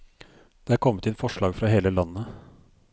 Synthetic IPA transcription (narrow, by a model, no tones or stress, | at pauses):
d̪̥eːæɾkʰɔmːət̪ɛnfɔʂɭɑːɡfɾɑɦeːləlɑnːə